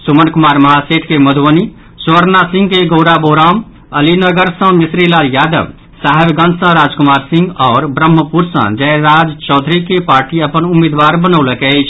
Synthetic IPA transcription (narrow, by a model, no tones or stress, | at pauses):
sumənkumaɾməɦaseʈ̪ʰkeməd̪ʱwəni | swəɾnasĩŋɡkeɡoʊɾaboɾam | əlinəɡəɾsə̃misɾilaljad̪ə̰ʋ | saɦebɡə̃nd̪sə̃ɾad͡ʒkumaɾsĩŋɡɔːɾbɾəmːəpuɾsə̰̃d͡ʒɛɾad͡ʒt͡ʃɔːd̪ʱɾikepaɾʈiəpənumːed̪ʋaɾbənəwləkɛjt͡ʃʰ